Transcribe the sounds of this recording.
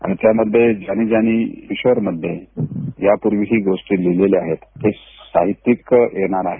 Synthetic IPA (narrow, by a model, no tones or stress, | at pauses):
a̰nit̪jaməd̪ʱːjed͡ʑaɽ̃iːd͡ʑaɽ̃iiɕʋəɾməd̪ʱːjejapuɾʋiɦiːɡoʂʈiːlileleaɦet̪ːe | sa̰ɦit̪ːikjeɽ̃aɾaɦe